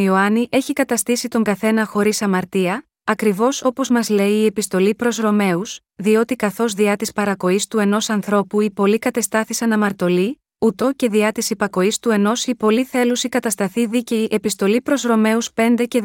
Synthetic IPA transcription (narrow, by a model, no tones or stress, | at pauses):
ioɐniʔe̞çikɐt̪ɐst̪isit̪o̞ŋɡɐθe̞nɐxo̞ɾisɐmɐɾt̪iɐ | ɐkɾivo̞so̞po̞zmɐzle̞iːe̞pist̪o̞lipɾo̞zɾo̞me̞us | ðio̞t̪ikɐθo̞zðiɐt̪ispɐɾɐko̞ist̪ue̞no̞sɐnθɾo̞puipo̞likɐt̪e̞st̪ɐθisɐnɐmɐɾt̪o̞li | ut̪o̞ce̞ðiɐt̪isipɐko̞ist̪ue̞no̞sipo̞liθe̞lusikɐt̪ɐst̪ɐθiðiceiʔepist̪o̞lipɾo̞zɾo̞me̞uspe̞nd̪e̞ce̞